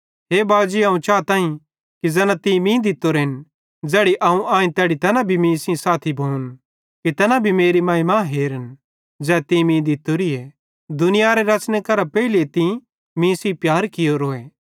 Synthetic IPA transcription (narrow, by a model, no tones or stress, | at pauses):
ɦeːbaːd͡ʒiɐːũt͡ʃaːt̪ãːĩ | kid͡zɛnãt̪ĩmĩːd̪ɪt̪ːoɾɦɪn | d͡zɛːɽiʔɐũʔãːĩt̪ɛːɽit̪ɐnãbʱimĩːsĩsaːt̪ʰibʱoːn | kit̪ɐnãbʱimeːɾimãːĩmãːɦeːɾən | d͡zɛːt̪ĩmĩːd̪ɪt̪ːoɾie | d̪ʊnɪjaɾeɾɐt͡ʃnekɐɾapɛilet̪ĩ | mĩːsĩpjaːɾkɪjoɾoːeː